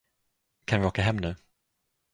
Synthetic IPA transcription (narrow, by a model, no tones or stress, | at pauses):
kʰanvɪoːkaɦɛmːnʉ̟ː